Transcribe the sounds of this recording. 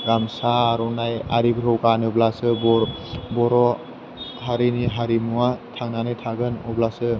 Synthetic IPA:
ɾamsaːɾɔnaja̰ɾibɾɔwkaniblasɯbɔɾbɔɾɔ | haɾiniɦaɾimuwatʰaŋnanɯjtʰaɡɯnɔblasɯ

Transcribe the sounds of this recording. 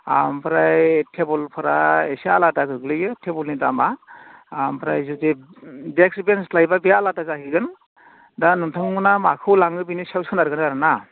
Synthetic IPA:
a̰mpʰɾajtʰebɔlpʰɯɾaesialadaɡɯɡlɯjɯtʰebɔlnitamaampʰɾajzutidekʰɾibenslajbabialadazaɦiɡɯn | danuntʰɔŋɯnamakʰɯwlaŋɯbinisawsɔnaɾɡɯnaɾɯna

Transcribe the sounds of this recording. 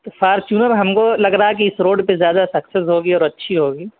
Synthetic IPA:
t̪fʰaːɾt͡ʃuːnəɾɦɐmkolɐɡɾɐɦak̬iɪsɾoːɖpezjaːd̪asɐksesɦoːɡiɔːɾɐtːʃʰiɦoːɡiː

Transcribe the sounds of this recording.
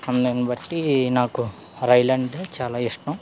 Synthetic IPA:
ɐnd̪ɐnibɐʈːinaːku | ɾɐjlɐɳɖt͡ʃaːlaːiʂʈɐm

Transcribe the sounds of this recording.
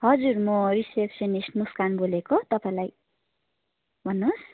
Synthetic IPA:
ɦʌd͡zurmʌrisepsʌnisʈnuskanbolekot̪ʌpaĩlaj | bʱʌnːos

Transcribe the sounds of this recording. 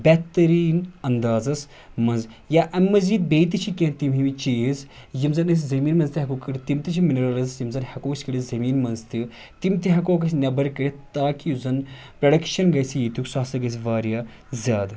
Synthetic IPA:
bɛt̪ɐɾiːnɐnd̪aːzɐs | mɐnzjaːʔɐmːɐziːd̪̚beːt̪it͡ʃʰikʲẽnt̪imɦimit͡ʃeːz | jimzɐnɐs̬ʲzɐmiːnmɐnzt̪iɦɐkokɐɽt̪imt̪it͡ʃʰiminɐɾalɐzjimzɐnhɐkoːksʲkɐɽizɐmiːnmɐnzt̪i | t̪imt̪iɦɐkoːkɐsʲnʲɐbɐɾkɐɾit̪aːkizɐn | pɾɐɽɐkʃɐnɡɐsijiːt̪uksasɐɡɐs̬ʲʋaːɾjaː | zʲaːd̪

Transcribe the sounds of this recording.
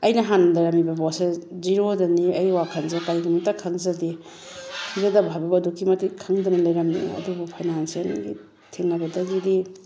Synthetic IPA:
ɐjnɐɦandɐɾɐmibɐbɔseziɾodɐniɐjwakʰɐnzakaɾiɡimɐtakʰɐŋzɐdi | kʰizɐdɐbʱabɐbɐdukːimɐtikʰaŋdɐnɐlɐjɾɐmnḭɐ̰dubupʰajnansijanɡḭ | tʰeŋnɐbɐdɐɡidi

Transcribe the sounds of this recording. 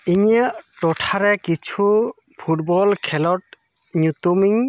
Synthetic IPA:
iɲaʔʈɔʈʰaɾɛkit͡ʃʰu | pʰuʈ̚bɔlkʰɛlɔʈ̚ | ɲut̪umiŋ

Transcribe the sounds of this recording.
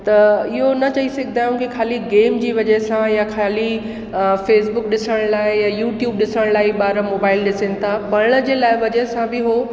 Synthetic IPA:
t̪ɐɪɦonɐt͡ɕɐisɐɡʱɪd̪ʱaːjũkikʰaːliɡeːmd͡ʑiːʋɐd͡ʑɐɦsãjakʰaːli | feːsbʊk̚ɗɪsəɽ̃laːɪjajuːʈjuːb̚ɗɪsəɽ̃laːiɓaːɾəmoːbaːɪlɗɪsɪñɪ̆t̪ʰaːbɐɽɽ̃ə̆d͡ʑeːlaːɪʋɐd͡ʑəɦsãbɪɦoː

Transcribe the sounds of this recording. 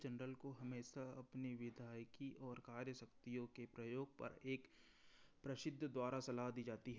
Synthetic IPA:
d͡ʒɛnɾəlkoɦɐmeːʃaɐpniʋɪd̪ʱaːjkiʔɔːɾkaːɾjəsɐkt̪ijõkepɾɐjoːɡ̚pɐ̰ɾeːk | pɾɐsɪd̪ʱːd̪waːɾasɐlaɦd̪iːd͡ʒaːt̪iɦɛ

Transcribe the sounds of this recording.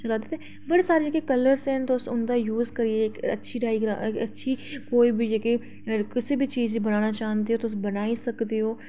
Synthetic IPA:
t͡ʃɐlad̪et̪e | bɐɽesaːɾed͡ʒekekələɾsɛ̃ːnt̪oʊsʊnd̪aːjuːzkəɾiekə̰tːʃʰiɖaːɪɡɾaːkətːʃʰiːkoːiːbʱid͡ʒeke | kɪsebʱit͡ʃiːzbənaːnat͡ʃaːɦə̃nd̪iɦoːt̪oʊs̬bənaːisɐkd̪eɦoː

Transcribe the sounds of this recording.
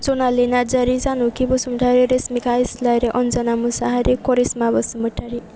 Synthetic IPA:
d͡zonalenad͡ʒaɾid͡zanukibɔsuməʈʰaɾeɾesmikaislajɾeʔɔnd͡zanamusaɦaɾikɔɾismabɔsumbəʈʰːaɾi

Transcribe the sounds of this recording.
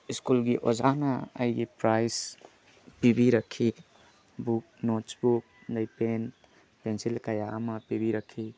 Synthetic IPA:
iskulɡiʔozana̰ːjɡipɾajs | pibiɾakʰːi | buk̚notsbuk̚ | d̪ajpen | pensilkajaamɐpibiɾakʰːi

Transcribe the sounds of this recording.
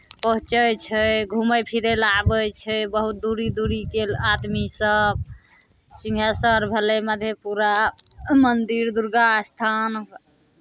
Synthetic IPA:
pəɦũt͡ʃəjt͡ʃʰəɡʱuməjpʰiɾelabət͡ʃʰəbəɦut̪̚d̪uɾid̪uɾikelad̪misəb̚ | sĩŋɡʱjasəɾbʱəleməd̪ʱjepuɾamənd̪iɾd̪uɾɡast̪ʰan

